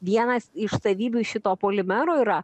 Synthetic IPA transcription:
ʋʲiɛnɐsɪʃsɐʋʲiːbʲuʃʲɪt̪oːpoːlʲɪmʲɛɾoːiːɾɐ

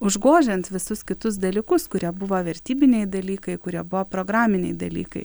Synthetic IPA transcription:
ʊʒɡoːʒʲɛnt̪ʋʲɪsʊskʲɪt̪ʊsd̪ɐlʲiːkʊskʊɾʲiɛbʊʋoːʋʲɛɾʲt̪ʲiːbʲɪnʲɛɪd̪ɐlʲiːkɐɪkʊɾʲiɛbʊʋoːpɾoːɡɾɑːmʲɪnʲɛɪd̪ɐlʲiːkɐɪ

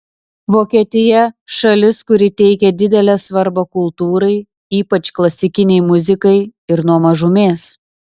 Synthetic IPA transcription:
ʋoːkʲiɛt̪ʲɪjɛʃɐlʲɪskʊɾʲɪt̪ʲɛɪkʲɛd̪ʲɪd̪ʲɛlʲɛːsʋɐɾbɐkʊlˠt̪uːɾɐɪ | iːpɐt͡ʃklˠɐsʲɪkʲɪnʲɛɪmʊzʲɪkɐɪɪɾnuɔmɐʒʊmʲeːs

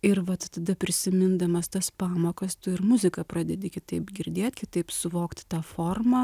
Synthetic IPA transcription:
ɪɾʋɐt̪t̪ɐd̪ɐpʲɾʲɪsʲɪmʲɪnd̪ɐmɐst̪ɐspɑːmoːkɐst̪ʊɪɾmʊzʲɪkɐpɾɑːd̪ʲɛd̪ʲɪkʲɪt̪ɐɪpɡʲɪɾʲd̪ʲeːt̪ʲkʲɪt̪ɐɪpsʊʋoːkt̪ʲt̪ɑːfoːrmɑː

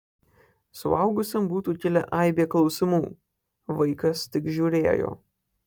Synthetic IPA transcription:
sʊ̰ɐʊɡʊsʲɛmbuːt̪uːkʲɪlʲɛ̰ʔɑɪbʲeːklˠɒʊsʲɪmuː | ʋɐɪkɐst̪ʲɪkʒʲuːɾʲeːjo̰ː

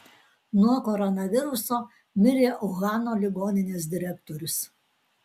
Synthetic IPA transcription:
nuɔkɔɾɔnɐʋʲɪɾʊsoː | mʲɪɾʲeːʔʊɣɑːnoːlʲɪɡoːnʲɪnʲeːs̬d̪ʲɪɾʲækt̪oɾʲʊs

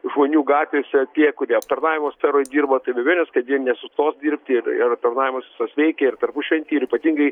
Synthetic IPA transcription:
ʒmoːnʲuːɡɑːt̪ʲʋʲeːsʲɛt̪ʲiɛkʊɾʲiɛɐp̚t̪ɐrnɑːʋʲɪmoːsʲfʲɛɾoːjd̪ʲiːrbot̪ɐɪbʲɛʋʲiɛnʲɛskɐt̪jinʲɛsʊst̪oːsd̪ʲiːrʲpʲt̪ʲɪrɪɾɐp̚t̪ɐrnɑːʋʲɪmɐsʲʋʲɪsɐsʲʋʲɛɪkʲɛɪrt̪ɐrpʊʃʲʋʲɛnʲt̪ʲɪːɪɾiːpɐt̪ʲiːŋɡɐɪ

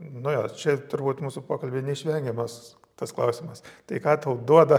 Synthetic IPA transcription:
nʊjo̰ːt͡ʃʲɛt̪ʊɾbuːt̪muːsʊpoːkɐlʲbʲeːnʲɛɪʃʲʋʲɛŋʲɡʲɛmɐs | t̪ɐsklˠɐʊsʲɪmɐst̪ɐɪkɑːt̪ɐʊd̪uɔd̪ɐ

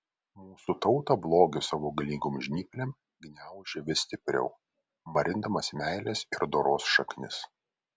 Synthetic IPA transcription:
muːsut̪ɒʊt̪ɐblˠoːɡʲɪsɑːʋoːɡɐlʲiːɡoːmʒʲnʲiːkʲlʲɛm | ɡʲnʲæˑʊʒʲeʋʲɪsʲt̪ʲɪpʲɾʲɛ̰ʊ | mɐɾʲɪnd̪ɐmɐsmʲæɪlʲɛsɪɾd̪oːɾoːsʃɐknʲɪ̰s

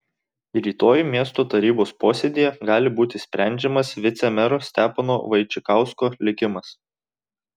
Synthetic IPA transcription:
ɾʲiːt̪oːjimʲiɛst̪oːt̪ɐɾʲiːboːspoːsʲed̪ʲijɛɡɑːlʲɪbuːt̪ʲɪsʲpʲɾʲæˑnʲd͡ʒʲɛmɐsʋʲɪt̪sʲɛmʲɛɾosʲt̪ʲæːpɐno̰ːʋɐɪt͡ʃʲɪkɑˑʊskoːlʲɪkʲɪmɐs

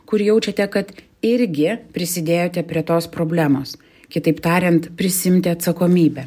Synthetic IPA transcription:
kʊɾjɛʊt͡ʃʲɛt̪ʲɛkɐt̪ | ɪɾʲɡʲɪpʲɾʲɪsʲɪd̪ʲeːjoːt̪ʲɛpʲɾʲiɛt̪oːspɾoːbʲlʲæːmoːs | kʲɪt̪ɐɪpt̪ɑːɾʲɛnt̪pʲɾʲɪsʲɪɪmʲt̪ʲɪɐt̪sɐkoːmʲiːbʲɛ

